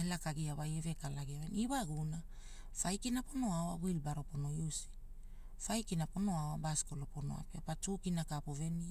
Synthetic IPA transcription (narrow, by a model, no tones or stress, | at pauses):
elakaɡiaβajeve̞kalaɡiaβeniβaɡuna | fajkinapo̞no̞awawilbaɾo̞po̞no̞jusi̥ | fajkinapo̞no̞awabaskolopono̰a̰peapatukinakapove̞ni